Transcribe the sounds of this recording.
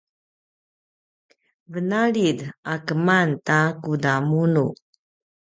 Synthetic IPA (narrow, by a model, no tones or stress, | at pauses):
vənaɭidakəmantakudamunu